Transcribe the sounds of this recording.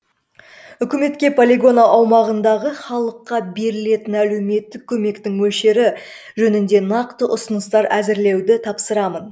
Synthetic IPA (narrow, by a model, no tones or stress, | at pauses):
ʏkʲɪme̞t̪kʲe̞pʰolʲeɡo̞naʔɑwmɑʁənd̪ɑʁəχɑlˠəqːɑbe̞ɾɪle̞t̪ɪnæle̞wme̞t̪ːɪk̚ʲʰːɵme̞kt̪ɪŋwɵʃe̞ɾɪ | ʒɵnɪnd̪e̞nɑqt̪əʔʊsənəst̪ɑɾʔæzɪɾle̞wd̪ɪt̪ʰɑpsəɾɑmən